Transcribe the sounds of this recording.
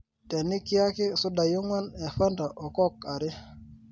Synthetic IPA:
te˨ni˦ki˦a˦ki˦su˦da˨ju˦ŋwa˦ne˨fa˦nda˨ʔo˨ko˦ka˨ɾi˦

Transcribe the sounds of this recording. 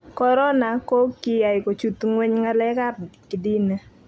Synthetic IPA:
kɔ˦ɾɔ˦na˨ko˦kɪ˦ja˨ɪ˨ko˨t͡ʃu˨˦t̪ŋwɛ˦ɲŋa˦lɛ˦ka˦rkɪ˨di˦ne˦

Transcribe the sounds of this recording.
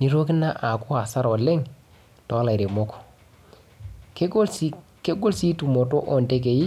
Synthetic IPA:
ni˦ɾo˦kɪ˦na˦ʔa˨kʊ˦a˨sa˦ɾɔ˨lɛ˦ŋ | tɔ˨˦la˨ɾe˨mo˦ko̥˨ | ke˦ɡo˦ke˦ɡo˦lsi˦tu˨mo˨to˦ʔɔ˨nde˦k̬e˨ji˦

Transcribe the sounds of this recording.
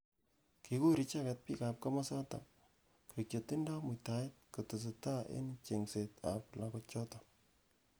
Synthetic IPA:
ki˨ku˦ɾi˨t͡ʃa˦kɛ˦t̚pi˦ka˨p̚ka˦ma˦sa˦ta̰˨ | kt͡ʃo˨ti˦nda˦mʊ˨ta˨ɪ˦t̚ku˨tʊ˨s̬ɪ˨ta˦ʔḛ˦nt͡ʃe˨ŋse˨ta̰˨pla˨kɔt͡ʃɔ˦ta˨

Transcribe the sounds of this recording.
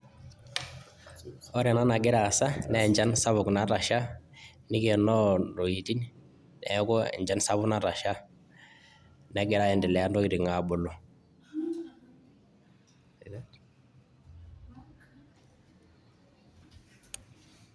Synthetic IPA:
ɔ˦ɾɛ˨na˦na˨ɡi˦ɾa˨sa˦nɛ˨ɲd͡ʒa˦nsa˦βʊ˨kna˦ɾa˨ʃa˦ | ni˦kɛ˨nɔ˦ɾo˨ji˨ti˦n | nɛ̰˨˦ɡɔ˦ɛ̰˨ɲd͡ʒa˦nsa˦βu˦na˦ɾa˨ʃa˦ | nɛ˨ɡɛ˨ɾa˦jɛ˨ndi˨lɛ˨ja˦ndɔ˦i˨ɾi˨ŋa˨bo˨lɔ˨

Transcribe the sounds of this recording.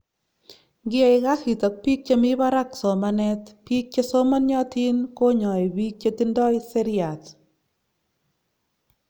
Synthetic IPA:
ɡɪ˦ɛ˨ɪ˨ɣa˦hi˨t̪ɔ˨k̚pi˦k̚t͡ʃe˦mi˦ba˦ɾa˦kso˨manɛ˦t̪pi˦k̚t͡ʃe˦so˦mɔ˦nɲɔ˦t̪i˦nko˦ɲɔ˨i˨bi˦k̚t͡ʃe˦t̪i˦ndɔ˦ɪse˦ɾɪa˨t̪

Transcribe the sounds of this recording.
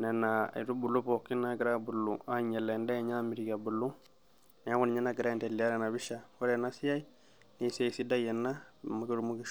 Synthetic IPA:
nɛ˨na̰˨i˨ɾu˦bu˨lu˦pɔ˨kːi˦na˦ɡi˨ɾa˦˨bu˨lu˨a˦ɲɛ˨lɛ˨ndɛ˦˨ɲa˦mi˨ɾi˨ka˨bu˨lu˦ | nɛ˨a˦ku˦n˨ɲɛ˦na˦ɡi˨ɾa˦ɛ˨ntɛ˨li˨a˦ɾɛ˨na˨bi˦ʃa˨wɔ˦ɾɛ˨na˦si˦ja˦i˦ | ni˦sɛ˦˨si˦da˦jɛ˨nːa˦ma˦ke˦ɾu˨mu˦ɡi˦

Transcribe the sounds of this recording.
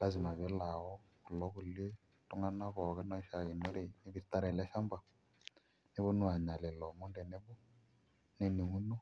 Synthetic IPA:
la˦zɪ˨ma˨βɛ˨˦la˨wɔ˦ku˨lɔ˦ku˨le˦ | tu˦ŋa˦na˦βɔ˨kɛ˦nɔ˦ʃa˨ki˨no˦ɾe˨nɪ˦bi˨ta˦ɾɛ˨lɛ˦ʃa˦mba˨ | ne˦βo˦nu˦a˨ɲa˨lɛ˨lɔ˨mʊ˦ndɛ˨ne˦bɔ˦ | ne˦ni˨ŋu˦no˦

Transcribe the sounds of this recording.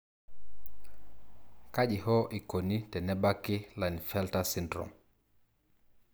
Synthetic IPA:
kaʄi˨hɔ˦ʔi˨ko˨nitɛ˨nɛ˦bakːi˦la˨nifɛltasindɾɔ̰m

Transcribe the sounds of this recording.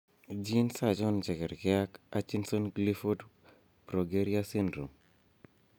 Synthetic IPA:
d͡ʒi˦nsa˦d͡ʒɔ˦nt͡ʃɛ˨kɛ˨ɾkɪa˦ka˦t͡ʃi˦nso˦nɡli˦fo˦d | bɾo˨ɡe˦ɾia˦si˦ndɾo˨

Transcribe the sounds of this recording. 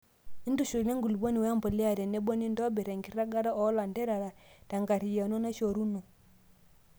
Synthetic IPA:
i˦ndu˦ʃu˨nɛ˦ŋɡu˨lbo˦ni˨wɛ˦a˦mbɔ˨li˦a˨ɾɛ˨nɛ˦bɔ˦ni˦ndɔ˦bɛ˨ɾɛ˨ŋɡi˦ɾa˦ɡa˦ɾa˦ɔ˦la˨ndɛ˦ɾa˨ɾa˨ta˨ŋɡa˨ɾi˨ja˨nɔ˦na˦ʃo˨ɾu˦nɔ˨

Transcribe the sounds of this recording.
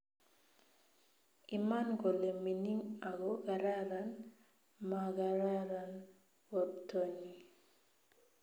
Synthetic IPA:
i˨ma˦nɡo˨le˨mi˨ni˦ŋa˨ɡo˦ɡaɾa˦ɾa˨n | ma˨ɡaɾa˦ɾa˨n | o˨dto˨ɲi˨

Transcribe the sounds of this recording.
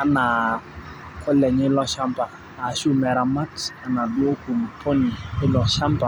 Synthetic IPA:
a˨na˨ | kɔ˦lɛ˨ɲɪ˦lɔ˦ʃa˦mpa˨ | a˨˦ʃu˦mɛ˨ɾa˨ma˦ta˨na˨du˦o˦ku˨m˨pʰɔ˦ni˨ɪ˦lɔ˨ʃa˦mpa˨

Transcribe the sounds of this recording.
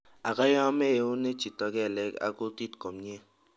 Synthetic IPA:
a˨ka˦jɔ˦me˦e˨u˦ne˦t͡ʃi˨tɔ˨ɡɛ˦˨lɛ˨˦ka̰˨ku˦ti˦tkɔ˨m˦ɲe˦

